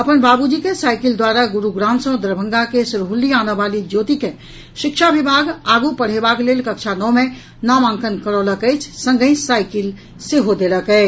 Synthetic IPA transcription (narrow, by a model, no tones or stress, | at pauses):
ɐpənbaːbud͡ʒikesaːɪkɪld̪waːɾaɡʊɾuɡɾãːnsõd̪əɾbʱə̃ŋɡakesɾɦʊlːiaːneʋaːlid͡ʒoːt̪ikẽ | ʃɪkʃaʋɪbʱaːɡaːɡupəɽ̤ebaːkleːlkəkʃʰanɔːmẽ | namãːŋkənkəɾoləkɛːt͡ʃʰsə̃ŋɡəĩsaːɪkɪl | seɦod̪eːləkɛː